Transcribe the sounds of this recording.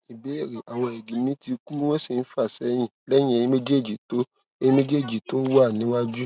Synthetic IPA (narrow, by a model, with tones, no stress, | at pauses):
i˨be˨˦e˦˨ɾe˨ʔa˨w̃ɔ̃˧e˨ɡĩ˨˦mĩ˦ti˧ku˦we˦si˦˨n̩˦fa˦˨sɛ˨˦j̃ĩ˦˨lɛ˦j̃ĩ˧˦ẽ˧ĩ˧me˦d͡ʒe˦˨d͡ʒi˨to˨˦ | e˧jĩ˦me˦d͡ʒe˦˨d͡ʒi˨to˦wa˦˨nĩ˨˦wa˦d͡ʒu˦